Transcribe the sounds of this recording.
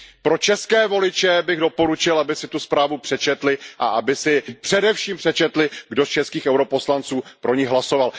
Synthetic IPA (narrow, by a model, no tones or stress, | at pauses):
pɾo̞t͡ʃɛskɛːvo̞lɪt͡ʃɛbɪɣdo̞po̞ɾut͡ʃɪlabɪsɪt̪uspɾaːvupr̝̥ɛt͡ʃɛt̪lɪʔa̰ʔabɪsɪpr̥ɛdɛfʃiːmpr̥ɛt͡ʃɛt̪lɪɡdo̞st͡ʃɛskiːxɛwɾo̞po̞slant͡suːpɾʔo̞ɲɪɣɦlaso̞val